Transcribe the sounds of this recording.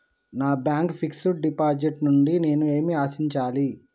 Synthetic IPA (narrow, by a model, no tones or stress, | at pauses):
naːbjaːŋkpʰiksuʈ̚ɖipaːɾd͡ʒiʈnuɳɖine̞ːnue̞ːmiaːsiɲt͡ʃaːli